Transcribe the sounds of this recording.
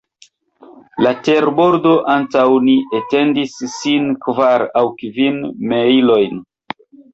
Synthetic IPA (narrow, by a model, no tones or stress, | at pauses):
late̞ɾbo̞ɾdo̞ʔantawniʔete̞ndisːinkvaɾawkvinmeilo̞jn